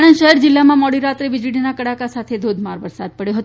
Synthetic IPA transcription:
ɽənʃəɦɛɾd͡ʒɪlːamãmɔɽiɾat̪ɾeʋɪd͡ʒɽinakəɽakasat̪ʰed̪ʱod̪ʱmaɾʋəɾsad̪̚pəɽjoɦət̪

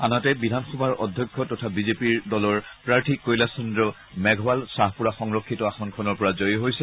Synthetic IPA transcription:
anatɛbidʱanxɔbʱaɹɔdʱjɔkʰːɔtɔtʰabizepiɹdɔlɔɹpɹaɹtʰikːojlasɔndɹɔ | mɛɡʱɔwalsaɦpuɹaxɔŋɹɔkʰːitɔaxɔnkʰɔnɔɹpɔɹazojɦojsɛ

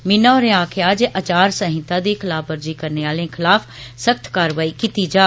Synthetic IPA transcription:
mɪnaɔɾẽaːkʰeaːd͡ʒʔət͡ʃaːɾsəɦɪ̃t̪ãd̪iːkʰɪlaːpbəɾd͡ʒiːkəɾneːaːlẽkʰɪlaːfsək̚t̪ʰkaːɾʋaːiːkit̪iːd͡ʒaː

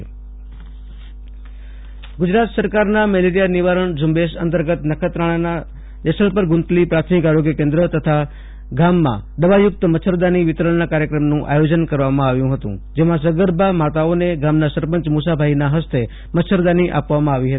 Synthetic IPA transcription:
ɡʊd͡ʒɾat̪səɾkaɾnamɛleɾijanɪʋaɾəɳd͡ʒʊmbeʃə̰nt̪əɾɡət̪nəkʰət̪ɾaɭ̃ana | d͡ʒɛsəɭpəɾɡʊ̃nt̪lipɾat̪ʰmɪkaɾoɡjəkẽnd̪ɾət̪ət̪ʰa | ɡamːã̰ɖ̪əʋajʊk̚t̪əməsʰəɾd̪aniʋɪt̪ɾəɭnakaɾjəkɾəmnũʔa̰jod͡ʒənkəɾʋamãaʋjũɦət̪ṵ̃d͡ʒemãs̬əɡəɾbʱamat̪aoneɡamnasəɾpəɲt͡ʃmusabʱaɦinaɦəst̪e | mətsʰəɾd̪aniʔa̰pʋamãaʋiɦət̪i

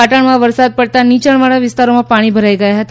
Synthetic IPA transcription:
aʈaɳmaʋəɾsad̪̚pəɽt̪anit͡ɕəɳmaɭaʋist̪aɾomapaɽ̃iːbʱəɾajkajaɦat̪

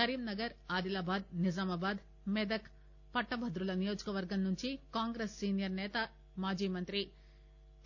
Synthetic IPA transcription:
sɐɾiːmnɐɡɐɾaːd̪ilaːbaːd̪̚nid͡ʒaːmaːbaːd̪ | mɛd̪ɐk | pɐʈːɐbʱɐd̪ɾulɐnijo̞ːd͡ʒɐkɐʋɐɾɡɐmnuɲt͡ʃikaːŋɡɾeːsːiːnijɐɾnɛːt̪ɐ | maːd͡ʒiːmɐnt̪ɾi

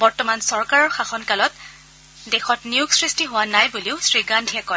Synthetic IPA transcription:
bɔɹtɔmansɔɹkaɹɔɹxaxɔnkalɔt | dexɔtniʊɡsɹistiɦʊwanajbuliʊsɹiɡandʱiɛkɔ

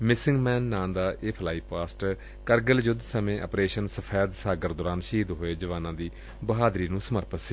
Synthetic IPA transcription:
mɪsɪŋɡmɛːnːãːmd̪aːʔeːpʰlaːiːpaːsʈ | kəɾɡəld͡ʒʊd̪səmẽːʔə̰pɾeːʃənsəpʰɛːd̪saːɡəɾd̪ʊːɾaːnʃiːd̪ɦoːeːd͡ʒəʋãːnãːd̪iː | bəɦaːd̪ɾiːnũːsəməɾpət̪si

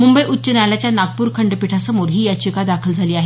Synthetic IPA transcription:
mumbəjʔut̪ːɕənalat͡ɕjanaɡ̚puːɾkʰəɳɖpiʈʰasəmoɾɦiːjat͡ɕikad̪akʰəld͡zʱaliːaɦe

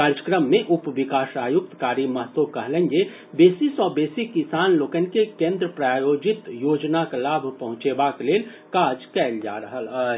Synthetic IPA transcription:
kaːɾjəkɾəmːẽʔʊpʋɪkaːsaːjʊk̚t̪kaːɾiməɦt̪okəɦlənje | beːsisɔːbeːsikisaːnloːkənkekẽːnd̪ɾəpɾaːjoːd͡ʒɪt̪joːd͡ʒnaklaːbʱpəɦʊ̃t͡ʃebakleːl | kaːd͡ʒkɛld͡ʒa̰ːɾəɦələ

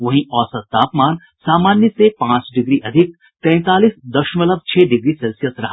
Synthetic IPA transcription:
ʋɐɦĩʔɔːsɐt̪ːaːpmaːn | saːmaːnjəsepãːt͡ʃɖɪɡɾiʔɐd̪ʱɪk̚ | t̪ɛ̃ːt̪aːliːsd̪ɐʃmɐləb̚t͡ʃʰeːɖɪɡɾisɛlsijəsɾɐɦa

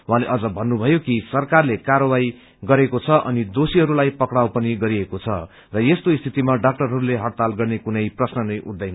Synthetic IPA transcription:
wɦãleʔʌd͡zʌbʱʌnːubʱʌjokisʌrkarlekaɾʌwaj | ɡʌɾekot͡sʰʌʔʌ̰nid̪osiɦʌɾulajpʌkɽawpʌniɡʌɾiekot͡sʰʌ̰ | rʌest̪oist̪ʰit̪imaɖak̚ʈʌrɦʌɾuleɦʌɽt̪alɡʌrnekunʌjprʌsnʌnʌjʔṵɽd̪ʌjn

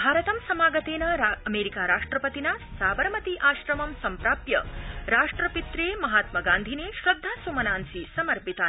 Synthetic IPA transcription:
bʱaːɾɐt̪ɐmsɐmaːɡɐt̪eːnɐɾɐmeːɾikaːɾaːʂʈɾɐpɐt̪inasaːbɐɾmɐt̪iʔaːʃɾɐmɐmsɐmpɾaːpjɐɾaːʂʈɾɐpit̪ɾeːmɐɦaːt̪mɐɡaːnd̪ʱineːʃɾɐd̪ʱːaːsumɐnaːnsisɐmɐɾpit̪a

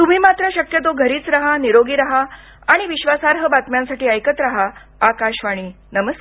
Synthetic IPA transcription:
t̪um̤iːmat̪ɾəɕəkjət̪oɡʱəɾiːt͡sɾaɦaniɾoɡiːɾaɦaː | ɽ̃iʋiɕʋasaɾɦəbat̪mjãnsaʈiːəjkət̪ɾaɦa | akaɕʋaɽ̃iː | nəməs

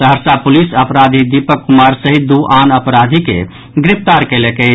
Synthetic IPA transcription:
səɦəɾsapulisəpɾad̪ʱid̪ipəkːumaɾsəɦid̪uʔanəpɾad̪ʱikḛ | ɡɾipʰt̪aɾkelɛkɛ

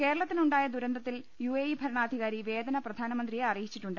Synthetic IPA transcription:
ke̞ːɾɐɭɐt̪ːinuɳɖaːjɐd̪uɾɐnd̪ʱɐt̪ːil | juejibʱɐɾɐɳaːd̪ʱiɣaːɾiʋe̞ːd̪ɐnɐprɐd̪ʱaːnɐmɐnd̪rijeɐrijit͡ɕːiʈːuɳɖɨ

